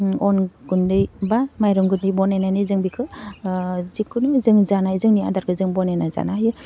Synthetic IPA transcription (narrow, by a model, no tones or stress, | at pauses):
ɔnɡundɯjbamajɾɔŋɡundɯjbɔnanajnɯjzɯŋbikʰɯ | zikʰːunuzɯŋzanajzɯŋnia̰daɾkʰɯzɯŋbɔnanaza̰najɯ